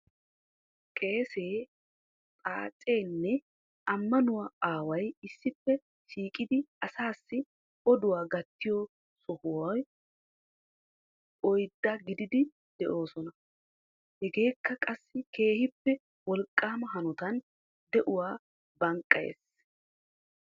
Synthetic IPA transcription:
kʼe̞ːseː | t̪ʼaːt͡sʼe̞ːnːɛ | ɐmːɐnʊwɐaːwɐjɪsːɪpːɛ | ʃiːkʼɪd̪ɪɐsaːsːɪ | ɔd̪ʊwaːɡɐt̪ːɪjɔ | sʼʊhʊwɐj | ʔɔjd̪ːɐɡɪd̪ɪd̪ɪ | d̪̥ɛʔo̞ːsɔnɐ | hɛɡe̞ːkːɐkʼɐsːɪke̞ːhɪpːɛ | wɔlkʼːaːmɐɦɐnʊt̪ɐn | d̪ɛʔʊwaː | bɐŋkʼːɐjḛːs

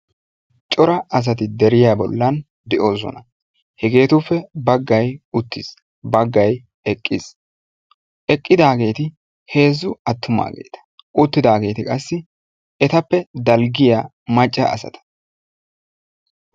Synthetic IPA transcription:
t͡ʃʼɔɾɐɐs̬ɐt̪ɪd̪ɛɾɪjabɔ̰lːɐn | d̪ɛʔo̞ːsɔ̰nɐ | hɛɡe̞ːt̪ʊfːɛbɐɡːɐjʊt̪ːis | bɐɡːɐj | ɛkʼːɪs | ʔɛkʼːɪd̪aːɡe̞ːt̪ɪ | he̞ːzːʊɐt̪ʰːʊma̰ːɡe̞̰ːt̪ɐ̥ | ʔʊt̪ːɪd̪aːɡe̞ːt̪ɪkʼɐsːɪ | ɛt̪ɐpːɛd̪ɐlɡɪjaː | mɐt͡ʃʼːɐʔɐ̰sɐ̰t̪ɐ̥

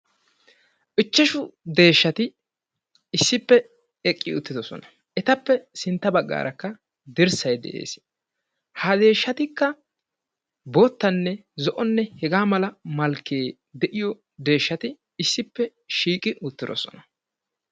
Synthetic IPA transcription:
ʔɪt͡ʃːɛʃʊd̪e̞ːʃːɐt̪ɪ | ɪsːɪpːɛ | ɛkʼːɪʊt̪ːɪd̪ɔsɔ̰nɐ̥ | ʔɛt̪ɐpːɛsɪnt̪ːɐbɐɡːa̰ːɾʔɐkːɐ | d̪ɪɾsɐjd̪ɛ̰ʔḛːs | had̪e̞ːʃːɐt̪ɪkːɐ | boːt̪ːɐnːɛzɔʔɔnːɛhɛɡaːmɐlɐmɐlkːeː | d̪ɛʔɪjɔ | d̪e̞ːʃːɐt̪ɪ | ɪsːɪpːɛ | ʃiːkʼɪʔʊt̪ːɪd̪ɔ̰sɔ̰nɐ̥

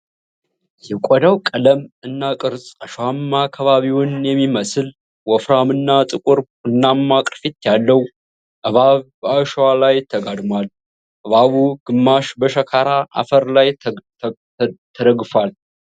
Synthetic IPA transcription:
jɛkʷʼɔd̪awkʼələmɨnːakʼɨɾsʼaʃwamːakʰːaβaβiwnjɛmːiməsɨl | wɔfɾamɨnːat̪ʼɨkʷʼʊɾ | ɨnːamːakʼfit̪jalːəw | ʔəβaβbəaʃwalajt̪ʰəɡad̪mwal | ʔəβaβuɡ̥ɨmːaʃbəʃəkʰaɾaʔa̰fəɾlaj | t̪ʰəd̪əɡfal

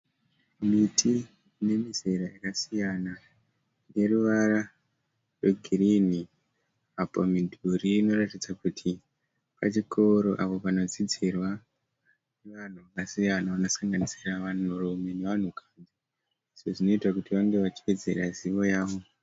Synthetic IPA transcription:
mitʰi | ne̞mizeɾajakasijana | ne̞ruʋaɾa | rweɡʱirini | apomidʱuɾiːno̞ratid͡zakutʰi | pa̰t͡ʃikʰo̞ɾo̞ʔapo̞pano̞d͡zid͡zirwa | neʋan̤uʋakasijanaʋano̞saŋɡanisiraʋanurome̞ne̞ʋan̤ukʰand͡zi | iʐoʐino̞itakutiʋaŋɡe̞ʋat͡ʃi̥ʋe̞d͡ze̞̰raziʋo̞jaːʋo̞

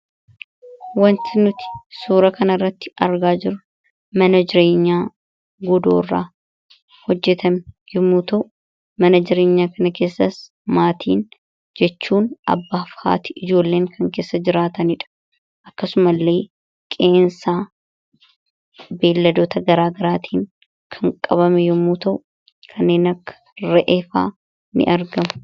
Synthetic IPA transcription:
wɐnt̪ɪnʊt̪ɪ̥suːɾɐkɐnɐrːɐt̪ːɪ̥ɐɾɡaːd͡ʒɪɾʊ | mɐnɐd͡ʒɪɾe̞ːɲːaː | ɡɔd̪o̞̰ːrːa̰ː | hɔd͡ʒːɛt̪ɐmɡɪmːuːt̪ɐʔʊ | mɐnɐd͡ʒɪɾe̞ːɲːaːkɐnɐke̞ːsːɐs | maːt̪ʰḭːn | d͡ʒɛt͡ʃːuːnɐ̰bːaːfha̰ːt̪ɪʔɪd͡ʒo̞ːlːe̞ːŋkʰɐŋke̞ːsːɐd͡ʒɪɾaːt̪ɐnɪᶑɐ̥ | ʔɐkːɐsʊmɐlːe̞ː | kʼe̞ːnsaː | be̞ːlːɐd̪oːt̪ɐɡɐɾaːɡɐɾaːt̪ʰiːŋ | kʰɐŋkʼɐβɐmɛjʊmːuːt̪ɐʔʊ | kʰɐnːe̞ːnɐkːɐ̥ɾɛʔefa̰ː | nɪ̰ʔɐɾɡɐmʊ̥

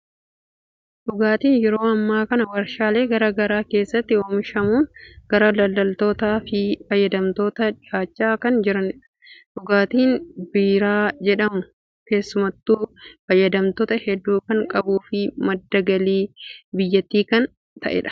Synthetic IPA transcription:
ᶑʊɡaːt̪iːnjɛɾo̞ːɐmːaːkɐnɐwɐɾʃaːle̞ːɡɐɾɐɡɐɾaːke̞ːsːɐt̪ːɪoːmɪʃɐmuːnɡ̥ɐɾɐlɐlːɐlt̪o̞ːt̪aːfɪfɐjːɐd̪ɐmt̪o̞ːt̪ɐᶑɪaːt͡ʃːaːkɐnd͡ʒɪɾɐn | ᶑʊɡaːt̪iːnbiːɾaːd͡ʒɛᶑɐmʊ | ke̞ːsːʊmɐt̪ːuːfɐjːɐd̪ɐmt̪ɔt̪ɐhɛd̪ːuːkɐŋkʼɐbuːfɪmɐd̪ːɐɡɐliːbɪjːɐt̪ːiːkɐn | t̪ɐ̰ʔɛ̰ᶑɐ̥

